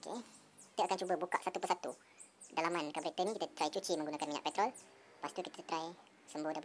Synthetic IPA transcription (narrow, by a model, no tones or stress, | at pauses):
okḛ | kit̪aʔakant͡ʃubəbuka̰ʔsat̪upəsat̪u | dalamankabɾet̪ənĩkit̪at̪ɾait͡ʃut͡ʃiməŋɡunakanmiɲa̰ʔpɛt̪ɾɔl | past̪ukit̪ət̪ɾai | səmbʊhda